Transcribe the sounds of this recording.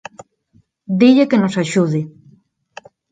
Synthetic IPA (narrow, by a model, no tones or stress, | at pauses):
d̪iʎekenosaʃuðe